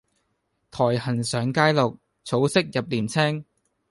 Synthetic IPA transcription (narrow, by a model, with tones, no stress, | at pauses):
t̪ʰɔː˨˩jhɐ˨˩nsœː˨˥ŋkaː˥jlo˨k̚ | t͡sʰo˨˥wsɪ˥k̚jɐ˨p̚liː˨˩nt͡sʰɛ˥ŋ